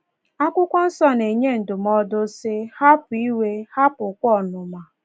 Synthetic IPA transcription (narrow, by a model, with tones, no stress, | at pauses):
a˦kʷʊ˦kʷɔ˦n̩˦sɔ˦ne˨ɲe˦n̩˨dʊ˨mɔ˦dʊ˦sɪ˦ha˦pʊ˨i˦we˦ha˦pʊ˨kʷɔ˦˨nʊ˨ma˨